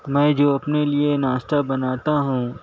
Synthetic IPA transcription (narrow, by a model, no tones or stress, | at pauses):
mɛ̃ːd͡ʒoːɐpnelienaːsʈ̪abɐnaːt̪aɦũ